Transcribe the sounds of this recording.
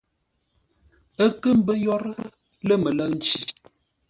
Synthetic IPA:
ə˦kə˦m̩˦bə˦jɔ˦ɾə˦ə˦ | lə˦mə˨lə˦k̚n̩˨t͡ʃi˨

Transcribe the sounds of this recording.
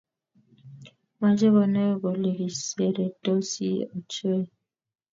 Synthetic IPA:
ma˦d͡ʒe˦βɔ˨nɛ˦bo˨li˨ɡi˨se˨ɾe˨to˦sḭ˦o˨t͡ʃo˦e˦˨

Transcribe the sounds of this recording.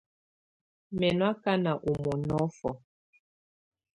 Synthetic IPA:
mɛ˨nwa˦ka˦na˨ʔo˨mɔ˨nɔ˦fɔ˨

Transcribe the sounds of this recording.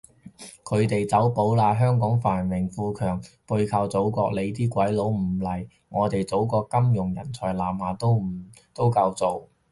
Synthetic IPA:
kʰɵ˨˧ɥt̪e˨jt͡sɐ˨˥wpo˨˥wlaː˨˧ɦœː˥ŋkɔː˨˥ŋfaː˨˩nwɪ˨˩ŋfuː˧kʰœː˨˩ŋpu˧jkʰɐ˨˧wt͡so˨˥wkɔː˧k̚le˨˧t̪iː˥kʷɐ˨˥jlo˨˥wm̩˨˩lɐ˨˩j | ŋɔː˨˧t̪e˨jt͡so˨˥wkɔː˧kkːɐ˥mjʊ˨˩ŋjɐ̰˨˩nt͡sʰɔː˨˩jlaː˨˩mhaː˨˩t̪o˥w | t̪o˥wkɐ˧wt͡so˨w

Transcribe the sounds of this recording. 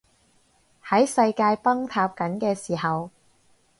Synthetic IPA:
hɐ˨˥jsɐ˧jkaː˧jpɐ˥ŋt̪ʰaː˧p̚kɐ˨˥nkɛː˧siː˨˩hɐ˨w

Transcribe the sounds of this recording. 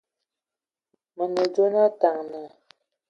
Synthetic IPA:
mə˨nə˨d͡ʒo˦na˦ta˨ŋnə˨

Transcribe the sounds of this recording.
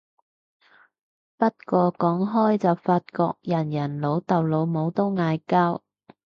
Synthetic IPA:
pɐ˥t̚kɔː˧kɔː˨˥ŋɦɔː˥jt͡sɐ˨wfaː˧t̚kɔː˧k̚jɐ˨˩njɐ˨˩nlo˨˧˥wt̪ɐ˨wlo˨˧wmo˨˧wt̪o˥wŋaː˧jkaː˥w

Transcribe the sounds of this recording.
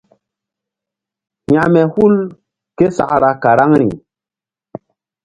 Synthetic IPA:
ɲa˨mɛ˨hu˦l | ke˦sa̰˨ʔɾa˨ka˨ɾa˦ŋɾi˨

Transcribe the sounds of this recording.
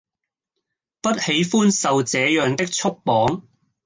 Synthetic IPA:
pɐ˥t̚he˨˥jfuː˥nsɐ˨wt͡sɛː˨˧jœː˨ŋt̪ɪ˥k̚t͡ʃʰʊ˥k̚pɔː˨˥ŋ

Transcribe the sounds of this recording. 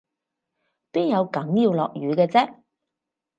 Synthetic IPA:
piː˥njɐ˨˧wkɐ˨˥ŋjiː˧wlɔ̰ː˨k̚jyː˨˧kɛː˧t͡sɛː˥

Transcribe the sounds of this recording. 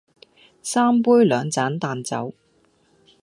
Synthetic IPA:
saː˥mpuː˥jlœː˨˧ŋt͡saː˨˥nt̪aː˨nt͡sɐ̰˨˥w

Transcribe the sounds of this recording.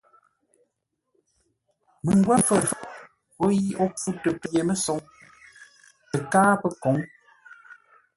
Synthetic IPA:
mə˨ŋ˦ɡwɛ˦fə˦˨ | ko˦ji˦ɔ˦p͡fu˦tə˨pje˨mə˦sɔ˨˦ŋ | ə˨kaː˦pə˦kɔ˨˦ŋ

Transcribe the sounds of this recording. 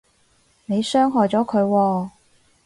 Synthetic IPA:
ne˨˧jsœː˥ŋɦɔː˨jt͡sɔː˨˥kʰɵ˨˧ɥwɔː˧

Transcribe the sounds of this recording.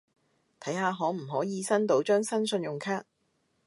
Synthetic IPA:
t̪ʰɐ˨˥jɦaː˨˧ɦɔː˨˥m̩˨˩ɦɔː˨˥jiː˨˧sɐ˥nt̪o˨˥wt͡ʃœː˥ŋsɐ˥nsɵ˧njʊ˨ŋkʰaː˥k̚

